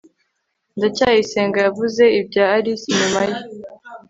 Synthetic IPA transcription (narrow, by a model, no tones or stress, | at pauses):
ndacajiseːŋɡajavuze̞ibɟaːɾisiɲumaje